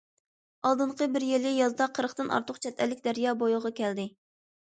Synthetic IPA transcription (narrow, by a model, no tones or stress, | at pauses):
ɑlˠd̪ɨɴqəbɪɾjelɪjɑzd̪ɑqʰːəɾəχt̪ɨnʔɑ̰ɾt̪ʰʊqt͡ʃʰɛt̪ʰɛlːɪk̚ʲd̪æɾjɑːbojʊʁɑkʲʰɛld̪ɪ